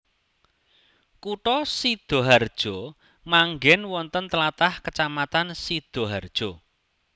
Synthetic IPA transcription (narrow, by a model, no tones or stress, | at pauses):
kuʈɔsid̪̥o̤ɦard̥ʒ̥ɔ | maŋɡɛnwɔnt̪ənt̪əlat̪ahkət͡ʃamat̪ansid̪̥o̤ɦard̥ʒ̥ɔ̤